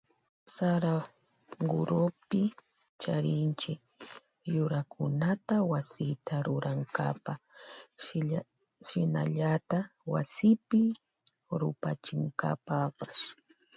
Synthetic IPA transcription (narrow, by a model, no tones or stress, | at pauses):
saɾa | ɢʊɾopɪ | t͡ʃaɾɪnt͡ʃɪk | jʊɾakʰʊnat̪awasɪt̪aɾʊɾaŋka̰pa | ʃɪna̰ʎat̪awasɪpɪ | ɾʊ̰pat͡ʃɪŋka̰papas